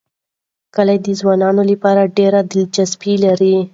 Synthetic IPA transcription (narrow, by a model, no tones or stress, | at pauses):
kəlajd̪əzwɑnɑnolapɑɾaɖeɾad̪ɪld͡ʒazbilaɾi